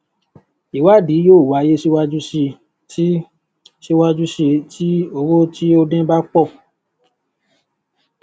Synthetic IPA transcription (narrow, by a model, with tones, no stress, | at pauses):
i˨wa˦˨di˨˦joː˦˨wa˨˦je˦ʃi˦wa˦d͡ʒu˦ʃe˧ | ti˦ | ʃi˦wa˦d͡ʒu˦ʃe˧ti˦o˧wo˦ti˦o˦dɛ̃˦ba˦k͡pɔ˦˨